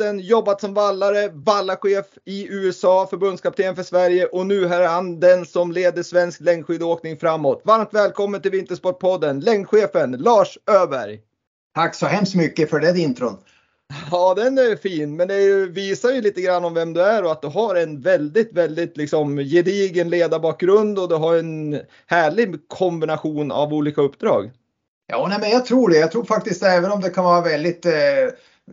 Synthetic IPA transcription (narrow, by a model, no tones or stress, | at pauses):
ənjɔbːat̪sɔmvalːaɾəvalːaɧeːfɪʉ̟ːɛsɑːfœɾbɵnd̪skʰapɪt̪ʰeːənfœʂvæɾjəʔɔnʉ̟ːɦæːɾhand̪ɛnsɔmleːd̪əʂvɛnsklɛŋkɧʏd̪oːknɪŋfɾamːoːt̪vaɾmt̪vɛːlkʰɔmːənt̪ɪlvɪnt̪əʂpɔʈ̚ːpʰɔd̪ːənlɛŋkɧeːfənlɑːʂøːbæ̰ɾj | t̪ʰaksɔɦɛmst̪mʏkːəfœɖɛd̪ɪnt̪ʰɾʊd̪ | ɑːd̪ɛnɛfiːnmɛnd̪ɛjɵviːsajɵliːt̪əɡɾanːɔmvɛmd̪ɵæɾɔat̪̚d̪ɵɦaɾɛnvɛld̪ɪt̪vɛld̪ɪt̪lɪksɔmjɪd̪iːɡənleːd̪abɑːk̚ɡɾɵnd̪ɔd̪ɵɦaɾɛn | hæːɭɪɡkʰɔmbɪnaɧuːna̰vuːliːkaɵpːd̪ɾɑ̰ːɡ | jɑːnɛmɛnjat̪ʰɾuːɖɛjaɡt̪ʰɾuːɾfak̚t̪ɪst̪ɛːvənɔmd̪ɛkʰanvɑːɾavɛld̪ɪt̪